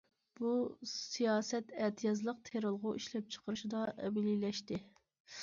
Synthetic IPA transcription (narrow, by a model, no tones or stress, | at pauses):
b̥usijɑːsɛt̪ɛt̪ʰɨjɑzlˠəq̚t̪ʰeɾɨlˠʁʊʔiʃlɛp̚t͡ʃʰə̥qʰəɾɨʃid̪ɑʔɛ̰bɪlilɛʃt̪ɪ